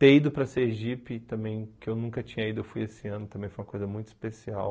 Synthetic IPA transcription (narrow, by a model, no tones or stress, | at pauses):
t̪eid̪ʊpɾɐseʒipɪt̪ɐ̃mbẽj̃kɪewnũŋkɐt͡ʃĩɲɐid̪ʊewfujesɪɐ̃nʊt̪ɐ̃mbẽj̃fojũmɐkojzɐmũj̃t̪ʊi̥spesiaw